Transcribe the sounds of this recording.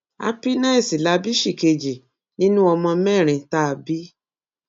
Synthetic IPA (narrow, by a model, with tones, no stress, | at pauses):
a̰˦pi˦nã˦i˦˨si˨la˨˦bi˦ʃi˦˨ke˧d͡ʒi˨ | nĩ˦nũ˦ɔ˧mɔ̃˧mɛ˦˨ɾ̃ĩ˧ta˦˨bi˦